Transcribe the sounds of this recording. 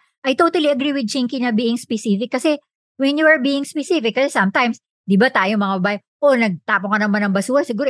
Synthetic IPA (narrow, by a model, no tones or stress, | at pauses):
ʔɐjt̪ot̪ɐliʔɐɡɾiwɪd̪̚d͡ʒiŋkinɐbiːʔɪŋspɛsifɪkːɐsɛ | wɛnjuɐɹbiːɪŋspɛsifɪkːɐsɛsɐmt̪ajms | d̪ɪbat̪aːjomɐŋɐbɐbaːʔɛ | ʔonɐɡ̚t̪aːpoŋkɐnɐmanɐŋbɐsuːɾɐsɪɡuːɾo